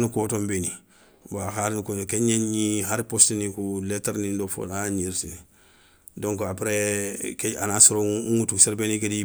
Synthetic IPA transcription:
nukoːtombeni | baxaɾnukokeɲenɲiɦaɾpostinikuletaɾnindofo̰laɲiɾsi | doŋkoapɾekeanasoɾouŋutuseɾbenikedi

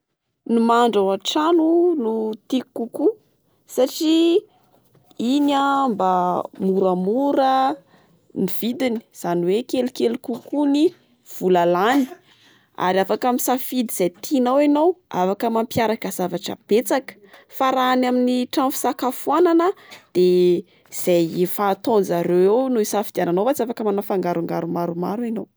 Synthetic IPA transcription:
numaɳɖ͡ʐawaʈ͡ʂanunut̪ikuku | saʈ͡ʂi | inambamuɾamuɾə | niv̥id̪ini̥z̥aniwekelikelukukuni | v̥ulalani̥ | a̰ɾiafakamisafid̪iz̥ajt̪ʰinawanowa̰fakəmampjaɾakəz̥avaʈ͡ʂə̰b̥et͡sakə̥faɾaːnaminiʈ͡ʂãmfi̥sakafuananəd̪̥e | iz̥ajefaːt̪onzaɾewewnuisafid̪iananowfat͡siafakəmanafaŋɡaɾuŋɡaɾumaɾumaɾuinow

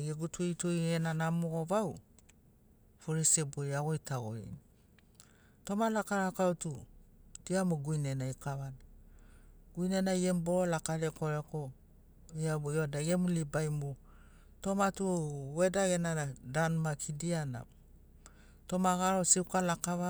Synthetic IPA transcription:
ɡeɡutʰutujenanamoɡoβaw | fuɾisebojaɡojtʰaɡo̰ɾḭni | to̞malakaɾakautud̥iamuɡujnenajkaβada | ɡ̥ujnenajemboolakaɾekoɾeko | iabiodaɡemulibajmu | to̞matuwedaɡenaadanmakʰidiana̰ | to̞maɡaɾo̞siukalakaβa

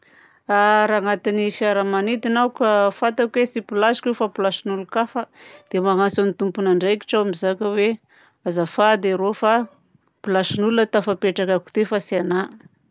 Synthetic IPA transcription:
aɾaːŋat̪inifiaɾəmanit̪inawkafat̪akwesipilasi̥kefapilaʃinulukafəd̪̥emaɦansonit̪umpunaɳɖ͡ʐejki̥ʈ͡ʂaamizakʲəwe | azafad̪eɾofa | pilaʃinulunət̪afapeʈ͡ʂakaku̥t̪efasana

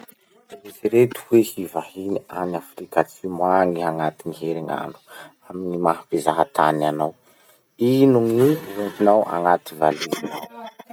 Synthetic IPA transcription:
iziɾet̪u̥wehivahinianafɾikat͡simwaŋiaŋat̪iniɦeɾiŋa̰nu̥ | aminimaɦabezaɦat̪ʰananaw | inuŋiunt̪inawʔa̰ŋat̪ivalizinaw

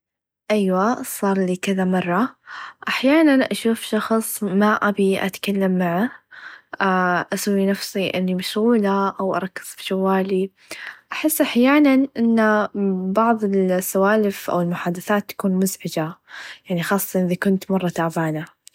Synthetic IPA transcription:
ʔajwasˤɑːɾˤliːkɪðamɑrˤːɑʔaħjaːnanʔaʃuːfʃɑxsˤmaʔabiʔa̰t̪kalːamːaʕa | ʔaʔasawːinafsiʔɪnːimaʃɣuːlaʔawʔɑ̰ɾˤɑkːɪz̥fi̥ʃawːaːli | ʔaħɪsːʔaħjaːnanʔɪnːbɑʕðˤɪlsːawaːlɪfʔa̰wɪlmʊħaːd̪aθaːt̪ːḁkuːnmʊzʕɪd͡ʒajaʕnixɑːsˤːsɑnʔɪðakʊnt̪mɑrˤːɑt̪aʕbaːna

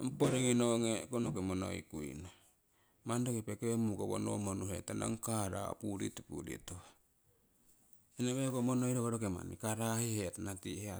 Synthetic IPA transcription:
mpoɾeŋinoŋekonokemono̰ḭkuḭna | mandokepekemukoβo̰no̰monuhetana̰ŋkaɾa̰puɾḭtupṵɾḭtua | enaβekomonojɾoβaɾokema̰nḭkaɾahihetanatihea

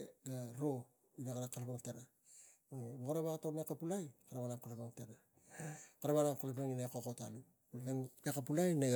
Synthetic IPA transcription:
ɡaɾo̞ | inaɡaɾakalpaŋteɾa | oboɣaɾaβakatomekapulajkaɾaβanaŋkolepaŋteɾa | kaɾaβanaŋkolep̬eŋinakokotalu | kolepeŋakapulajne

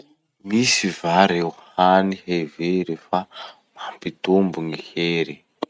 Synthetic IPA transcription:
misivaɾeuhaniheveɾefa | mampit̪umbuŋiheɾi

